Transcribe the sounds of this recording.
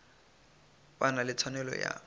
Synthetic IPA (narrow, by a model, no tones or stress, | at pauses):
banalɪt͡sʰwanɛlɔ̰ja̰